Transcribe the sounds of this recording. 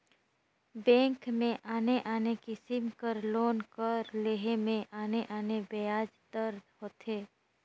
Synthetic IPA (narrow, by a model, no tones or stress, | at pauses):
bɛ̃ːŋkmẽʔaːneʔaːnekisɪmkəɾloːnkəɾleːɦemẽʔaːneʔaːnebejaːd͡ʒd̪əɾd̪hoːt̪ɦeː